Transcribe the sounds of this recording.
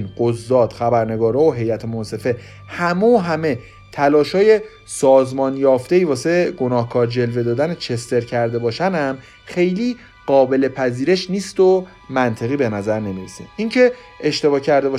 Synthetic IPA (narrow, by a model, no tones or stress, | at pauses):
nɢozːɒːd̪̥xæbæɾne̞ɡɒːɾɒːoɦe̞jæt̪ʰemonse̞fe̞ | hæmooɦæme | t̪ʰælɒːʃhɒːje̞ | sɒːzmɒːnjɒːft̪e̞iːvɒːse̞ɡo̞nɒːhkʰɒːɾd͡ʒe̞lve̞d̪ɒːd̪ænet͡ʃʰe̞st̪e̞ɾcʰæɾd̪e̞bɒːʃænæm | xe̞jliː | ɢ̥ɒːbe̞le̞pʰæziːɾeʃniːst̪o | mænt̪ʰe̞ɣiːbe̞næzæɾne̞miɾḛsḭmiŋcʰe̞ | eʃt̪e̞bɒːcʰæɾd̪e̞bɒː